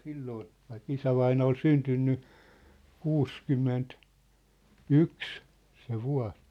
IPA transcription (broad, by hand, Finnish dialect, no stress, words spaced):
silːoːn̞ ʋɑik isæʋɑinɑ ol syntynːy kuːskymːent yks se ʋuɑ̝s